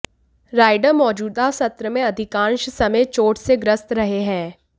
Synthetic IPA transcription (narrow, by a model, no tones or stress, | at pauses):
ɾaːɪɖəɾmɔːd͡ʒuːd̪asɐt̪ɾəmẽɐd̪ʱɪkãːnʃsɐmeːt͡ʃoːʈseɡɾəst̪ɾɐɦeɦɛ̃ː